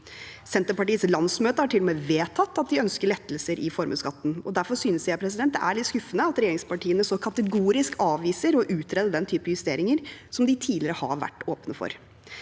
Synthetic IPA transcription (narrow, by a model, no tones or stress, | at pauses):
sɛnt̪əpɑʈiːslɑnsmøːt̪əhɑʈʰɪlɔmeːʋeːt̪ʰɑt̪ːɑt̪̚d̪ɪœnskəɭɛt̪ːl̩səɾʔɪfɔɾmə̰skɑt̪ːn̩ɔd̪æɾfɔɾsyːnəsææpʰɾɛsɪd̪ɛnt̪d̪ɛ̰ʔæɭɪt̪skʉfːənəɑt̪ɾɛjeːɾɪŋspɑʈʰiːənəsɔkʰɑt̪əɡuːɾɪskɑːʋʋiːsəɾɔʔʉːt̪ʰɾɛːd̪əɖ̪ɛnt̪ʰyːpəjʉst̪eːɾɪŋəɾsɔmd̪ɪt̪ʰiːlɪɾəhɑ̰ɾʋæ̰ʈːoːpnəfɔ̰ɾ